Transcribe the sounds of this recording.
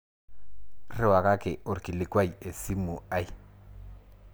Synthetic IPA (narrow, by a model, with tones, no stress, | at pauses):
rɪ˦˨wa˨ka˦kɪ˨ʔo˨ɾki˨lɪ˨kwa˦˨je˨si˦mu˨a˦j